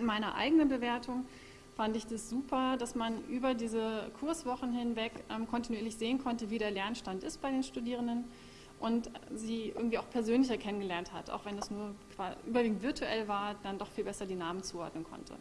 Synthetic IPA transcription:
ɪnmaɪnɐʔa̰ɪɡənənbəveːɐtʰʊŋ | fandəɪçd̥asz̥uːpʰɐdasmanʔyːbɐdiːzəkʰʊɐsv̥ɔχn̩hɪnvɛkʔɛmkʰɔntinuiːɐlɪçz̥eːənkʰɔntəviːɾeːɐlɛɐnʃtantɪst̚b̥aɪdeːnʃtudiːʁ̞əndən | ʔʊntziːʔɪ̰ɐɡŋ̩tv̥iːʔaʊpʰɛɐzøːnlɪçɐkʰɛnənɡəlɛɐntha̰tʔa̰ʊxv̥ɛndasnuːɐkʰv̥aːʔyːbɐviːɡŋ̩tv̥ɪɐtʰuʔɛlvaːɐd̥andɔχfiːlbɛsɐdiːnaːmənt͡suːʔɔ̰ɐdnənkʰɔ̰ntʰə̰

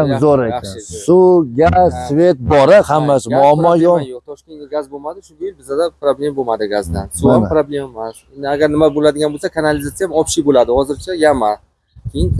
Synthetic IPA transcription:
mzoɾɪsuɡʲazsve̞t̪̚bɒɾɪhamːasɪmʊamːɒjojoqt̪ʰɒʃkʲe̞nɡʲaɡʲazbomad̪ɪʃʊnd̪ʲajɪlbɪzad̪apɾablʲe̞mbomad̪ɪɡʲazd̪ansuanpɾablʲe̞mmassenɪaɡʲaɾnɪmabolad̪ɪɡʲanbolˠsakʰanalɪzat̪sijamɒpʃibolad̪ɪhɒzɪɾt͡ʃʰajama | kʲʰejɪn

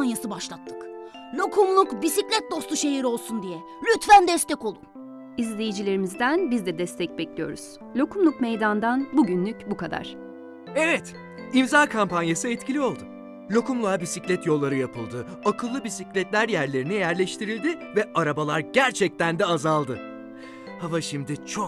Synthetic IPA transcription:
njasɯbaʃlˠat̪ʰːɯ̥k | lʲokʰumlˠukbisiclʲɛt̪̚d̪o̞st̪uʃe̞ɦiɾo̞lˠsund̪ijɛ | lʲyt̪fænd̪ɛst̪ɛco̞lˠun | izlʲe̞jid͡ʒilʲe̞ɾimizd̪ænbizd̪ɛd̪ɛst̪ʰɛc̚bɛclʲijo̞̰ɾṵz̥ | lʲo̞kʰumlˠukmejd̪and̪anbuɟynlʲycbukad̪a̰ɾ̥ | evɛt̪ | imzaːkʰampanjasɯɛt̪cʰilʲio̞lˠd̪u | lʲo̞kumlˠabisiclʲɛt̪jo̞lˠːaɾɯjapʰɯlˠd̪ɯ | akʰɯlˠːɯbisiclʲɛt̪lʲæɾjæɾlʲe̞ɾinijæɾlʲɛʃt̪ʰiɾilʲd̪ɪvɛʔaɾabalˠaɾɟæɾt͡ʃʰɛc̚t̪ænd̪ɛazalˠd̪ɯ | havaʃimd̪it͡ʃʰo

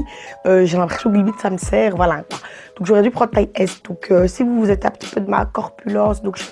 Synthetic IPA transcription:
øʒelɛ̃pχɛsjɔ̃kələbit̪saməsɛːʁvwalakwad̪̥ɔ̃kʒɔʁɛd̪ypχɑ̃d̪ət̪aiɛsd̪̥ɔ̃kʰøsivuuzɛt̪ɛ̰̃pə̥t̪i̥pød̪əma̰kɔʁpylɑ̃ːsd̪ɔ̃kʒə

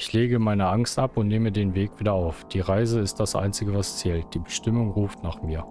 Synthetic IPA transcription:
ɪçleːɡəmaɪnəʔaŋstʔapʊntneːmədeːnveːkv̥iːdɐaʊfd̥iːʁaɪzəɪst̚d̥asʔa̰ɪnt͡sɪɡəvast͡sɛːlt̚d̥iːbəʃtɪmʊŋʁuːftnaːχmiːɐ

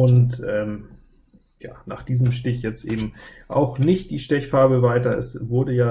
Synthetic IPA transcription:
ʔʊntʔɛːm | ja̰ːna̰ːχd̥iːzəmʃtɪçjɛt͡stʔeːbm̩ʔa̰ʊxnɪçt̚d̥iːʃtɛçfaɐbəvaɪtɐɛ̰svʊɐdəjaː

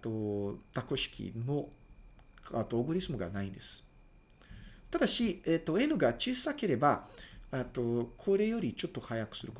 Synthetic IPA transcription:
t̪ot̪ako̞ɕi̥kʲḭno̞ | at̪ːoːɡɯ̟ɾʲisɨmoɡa̰naĩnd̪e̞sɨ̥ | t̪ad̪aɕiet̪ːo̞e̞nɯ̟ɡat͡ɕissake̞ɾe̞baet̪ːo̞kʰo̞ɾe̞jo̞ɾʲit͡ɕo̞t̪ːo̞hajakɯ̟̥sɨɾɯ̟ko

